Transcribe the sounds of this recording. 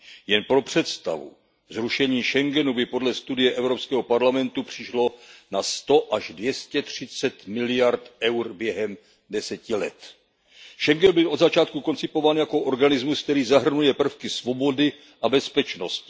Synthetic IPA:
jɛnpɾo̞pr̝̥ɛt̪st̪a̰vṵ | zɾuʃɛɲiːʃɛŋɡɛnubɪpo̞dlɛst̪udɪjɛʔɛvɾopskɛːɦo̞paɾlamɛnt̪upr̝̥ɪʃlo̞nast̪o̞ʔaʒdvjɛscɛt̪r̝̥ɪt͡sɛt̪mɪlɪjaɾt̪ʔɛwɾbjɛɦɛm | dɛsɛcɪlɛ̰t̪ | ʃɛŋɡɛnbɪlʔo̞dzat͡ʃaːt̪kuko̞nt͡sɪpo̞vaːnjako̞ʔo̞ɾɡanɪzmusk̚t̪ɛɾiːzaɦr̩nujɛpr̩fkɪsvo̞bo̞dɪ | ʔabɛspɛt͡ʃno̞scɪ

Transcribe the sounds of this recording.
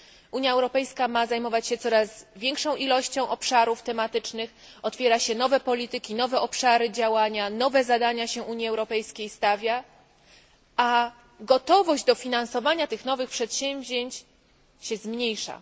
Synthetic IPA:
ʔuɲjaɛwɾɔpɛjskamazajmɔvat͡ɕɕɛt̪sɔɾazvʲjɛŋkʂɔ̃w̃ʔilɔɕt͡ɕɔ̃w̃ʔɔpʂaɾuft̪ɛmat̪ɘt͡ʂnɘx | ɔt̪fʲjɛɾaɕɛnɔvɛpɔlʲit̪ɘkʲinɔvɛʔɔpʂaɾɘd͡ʑawaɲanɔvɛzad̪aɲaɕɛʔuɲjiɛwɾɔpɛjskʲejst̪avʲja | a | ɡɔt̪ɔvɔʑd͡ʑd̪ɔfʲinansɔvaɲat̪ɘxnɔvɘxpʂɛt̪ɕɛ̃mvʲʑeɲt͡ɕ | ɕɛzmɲejʂa̰

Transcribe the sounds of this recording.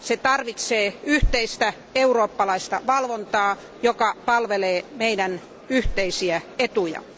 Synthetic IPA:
set̪ɑrʋit̪seːyht̪eist̪æ | euroːpːɑlɑist̪ɑʋɑlʋont̪ɑː | jokɑpɑlʋeleːmeidæn | yht̪eisiæet̪ujɑ̰

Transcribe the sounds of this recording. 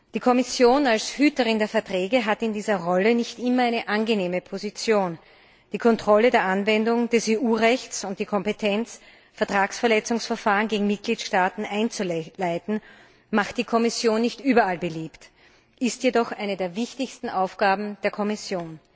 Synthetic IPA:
d̥iːkʰɔmɪsjoːnalshyːtəʁɪndeːɐfɛɐtʁ̥ɛːɡəɦatɪndiːzɐʁɔlənɪçtʔɪmɐaɪnəʔanɡəneːməpʰozit͡sjoːn | d̥iːkʰɔntʁ̥ɔlədeːɐʔanvɛndʊŋd̥ɛseːʔuːʁɛçt͡sʊnt̚d̥iːkʰɔmpetʰɛnt͡s | fɛɐtʁ̥aːksfɛɐlɛt͡sʊŋsfɛɐfaːʁənɡeːɡŋ̩mɪt̚ɡ̥liːtʃtaːtn̩ʔaɪnt͡sulaɪtn̩ | maχt̚d̥iːkʰɔmɪsjoːnːɪçtʔyːbɐalbəliːpt | ʔɪstjedɔχʔaɪnədeːɐvɪçtɪçstn̩ʔaʊfɡ̥aːbm̩d̥eːɐkʰɔmɪsjoːn

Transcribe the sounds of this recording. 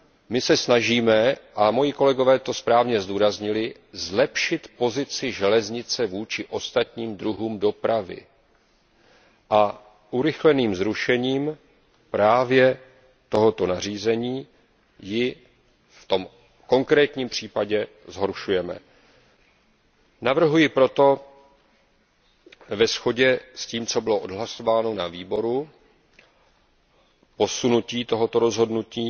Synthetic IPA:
mɪsɛsnaʒiːmɛʔamo̞jiko̞lɛɡo̞vɛːt̪o̞spɾaːvɲɛzduːɾazɲɪlɪ | zlɛpʃɪt̪po̞zɪt͡sɪʒɛlɛzɲɪt͡sɛvuːt͡ʃɪʔo̞st̪at̪ɲiːmd̪ɾuɦuːmdo̞pɾavɪ̰ | ʔa | ʔuɾɪxlɛniːmzɾuʃɛɲiːm | pɾaːvjɛ | t̪o̞ɦo̞t̪o̞nariːzɛɲiː | jɪ | ft̪o̞m | ko̞ŋkɾɛːt̪ɲiːmpr̝̥iːpaɟɛ | zɦo̞ɾʃujɛmɛ̰ | navr̩ɦujɪpɾo̞t̪o̞ | vɛsxo̞ɟɛsciːmt͡so̞bɪlo̞ʔo̞dɦlaso̞vaːno̞naviːbo̞ɾu | po̞sunuciːt̪oɦo̞t̪o̞ɾo̞zɦo̞dnuciː

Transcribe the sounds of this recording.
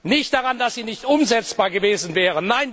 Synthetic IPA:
nɪçt̚d̥aʁandasz̥iːnɪçtʔʊmzɛt͡sb̥aːɐɡəveːzn̩vɛːʁ̞ənnaɪn

